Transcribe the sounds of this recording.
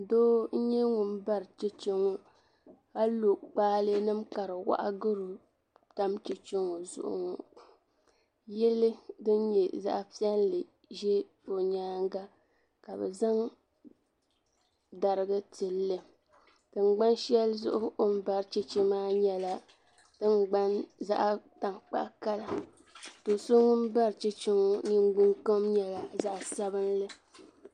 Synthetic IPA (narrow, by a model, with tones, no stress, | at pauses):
doː˦n̩˦ɲɛ˦ŋʊ˨m˦ba˦ɾt͡ʃe˦t͡ʃe˦ŋo˨ | ha˦lo˨k͡paː˦lɨ˦nɨ˦mka˨ɾɨ˨wa̰˦ʔa̰˦ɡɨ˦ɾu˨ | ta˦mt͡ʃe˨t͡ʃe˦ŋo˨zʊ̰˦ʔʊ̰˨ŋɔ˨ | jɛ˦lɨ˦dɨ˦nɲɛ˨za̰˦ʔpi˦ɛ˦nlɨ˨ | ʒɛ˦ | o˨ɲaː˦ŋ˦ɡa˦ | ka˨bɛ̰˨za˦ŋ | da˨ɾɨ˦ɡɨ˦tɨ˨lːɨ˨ | tɨ˨ŋ͡mɡ͡ba˦nʃɛ˦lzʊ̰˦ʔʊ˦o˦m˦ba˨ɾt͡ʃɛ˦t͡ʃi˦maː˦ɲɛ˨la˨ | dɨ˦ŋɡ͡ba˦nza̰˦ʔta˨ŋk͡pa̰˨ʔka˦la˨ | to˨so˦ŋʊ˦m˦ba˦ɾt͡ʃɛ˦t͡ʃɪ˦ŋo˦ni˦ŋ˦ɡ͡bu˦ŋko˦mɲɛ˨la˨za˦ʔsa˦bɨ˦nlɨ˦